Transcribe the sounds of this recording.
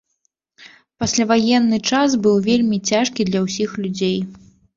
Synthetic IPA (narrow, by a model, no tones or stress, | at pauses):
pasʲlʲavajɛnːɨt͡ʂas̬bɨwvʲelʲmʲit͡sʲaʂkʲid̪lʲɐwsʲixlʲud͡zʲej